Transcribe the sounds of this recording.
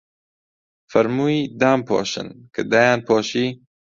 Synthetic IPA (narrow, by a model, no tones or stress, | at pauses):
fɐɾmuːid̪aːmpʰɔ̰ːʃɨ̰nkʰɨd̪aːjaːnpʰɔːʃiː